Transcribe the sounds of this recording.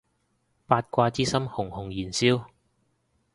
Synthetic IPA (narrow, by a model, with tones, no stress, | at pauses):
paː˧t̚kʷaː˧t͡siː˥sɐ˥mhʊ˨˩ŋhʊ˨˩ŋjiː˨˩nsiː˥w